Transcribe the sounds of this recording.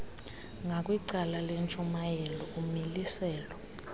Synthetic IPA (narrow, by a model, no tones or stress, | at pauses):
ŋakʼwiǀalalent͡ʃʼumajɛlɔumilisɛːlɔ